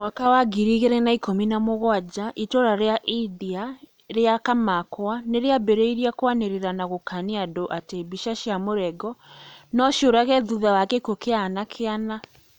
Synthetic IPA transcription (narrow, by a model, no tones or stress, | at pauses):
mwakawaɡiɾiɣeɾɛnaikominamoɣwad͡ʑaʔitoɾaɾeaʔiðia | ɾeakamakwaneɾeabeɾeiɾiakwaneɾeɾanaɣokaniadoʔatebiʃaʃiamoɾɛɡɔnɔʃoɾaɣɛðuðawakekokeanakʰeana